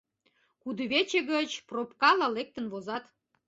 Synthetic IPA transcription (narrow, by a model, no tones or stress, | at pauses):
kud̪əβet͡ɕeɡət͡ɕpropkɑlɑlek̚t̪ə̆nβozɑt̪